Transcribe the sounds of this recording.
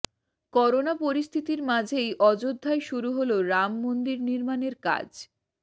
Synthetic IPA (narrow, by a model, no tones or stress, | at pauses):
kɔɾonapoɾist̪ʰit̪iɾmad͡ʑʱejʔɔd͡ʑod̪ʱːaeʃuɾuɦoloɾamːond̪iɾniɾmaneɾka̰d͡ʑ